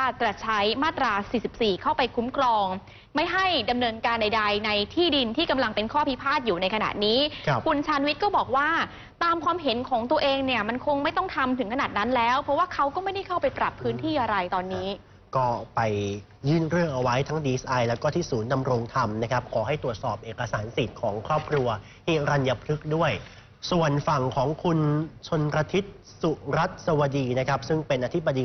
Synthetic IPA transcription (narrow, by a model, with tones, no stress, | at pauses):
a˥˩t̪ɾa˨˩t͡ɕʰa˦˥jmaː˥˩t̪ɾaː˧siː˨˩si˨˩p̚siː˨˩kʰa˥˩wpa˧jkʰu˦˥mkʰɾɔː˧ŋ | ma˥˩jɦa˥˩jda˧mnɤː˧nkaː˧nda˧jda˧jna˧jt̪ʰiː˥˩di˧nt̪ʰiː˥˩ka˧mla˧ŋpe˧nkʰɔː˥˩pʰi˦˥pʰaː˥˩t̪̚juː˨˩na˧jkʰa˧na̰˨˩t̪̚niː˦˥˧kʰu˧nt͡ɕʰaː˧nwi˦˥t̪̚kɔː˥˩bɔː˨˩k̚waː˥˩ | t̪aː˧mkʰwaː˧mɦe˩˦nkʰɔː˩˦ŋt̪u˧ɐʔeː˧ŋni˥˩ɐma˧nkʰo˧ŋma˥˩jt̪ɔ˥˩ŋt̪ʰa˧mt̪ʰɯ˩˦ŋkʰa˧naː˨˩t̪̚na˦˥nlɛː˦˥wpʰɾɔ˦˥waː˥˩kʰa˦˥wkɔː˥˩ma˥˩jda˥˩jkʰa˥˩pa˧jpɾa˨˩pʰːɯː˦˥nt̪ʰiː˥˩ʔa˧ɾa˧jt̪ɔː˧nːiː˦˥ | kɔː˥˩pa˧j | jɯː˥˩nɾɯ˥˩əŋʔa˧wa˦˥jt̪ʰaː˦˥ŋdiː˧ʔe˦˥sʔa˧jlɛː˦˥wkɔː˥˩t̪ʰiː˥˩suː˩˦nda˧mɾo˧ŋt̪ʰa˧mna˦˥kʰa˦˥p̚kʰɔː˩˦ɦa˥˩jt̪ɾu˨˩ət̪̚sɔː˨˩p̚ʔeː˨˩kːa˧saː˩˦nsi˨˩t̪̚kʰɔː˩˦ŋkʰɾɔː˥˩p̚kʰɾu˧ɐ | t̪ʰiː˥˩ɾa˧nja˧pʰɾɯ˦˥k̚du˥˩əj | su˨˩ənfa˨˩ŋkʰɔː˩˦ŋkʰu˧nt͡ɕʰo˧npɾa˧t̪ʰi˦˥t̪̚ | su˨˩ɾa˦˥t̪̚sa˧wa˧diː˧na˦˥kʰa˦˥p̚sɯ˥˩ŋpe˧nʔaː˧t̪ʰi˦˥p̚bːa˧diː˧